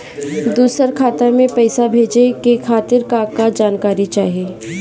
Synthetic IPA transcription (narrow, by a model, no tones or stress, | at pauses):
d̪uːsəɾkʰaːt̪amẽpɛɪsabʱeːd͡ʒekekʰaːt̪ɪɾkaːkkːad͡ʒaːnkaːɾit͡ʃaːɦijeː